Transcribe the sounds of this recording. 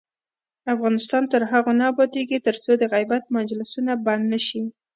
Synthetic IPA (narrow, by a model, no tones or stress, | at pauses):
afɣɑnɪst̪ɑnt̪əɾɦaɣonabɑd̪eɡit̪əɾt͡sod̪əɣajbat̪̚mand͡ʒlɪsunaband̪nəʃi